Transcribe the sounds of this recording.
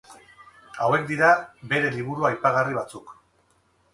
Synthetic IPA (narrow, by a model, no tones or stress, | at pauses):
awe̞kd̪iɾabe̞ɾe̞liβ̞uɾuajpaɣ̞ariβ̞at͡suk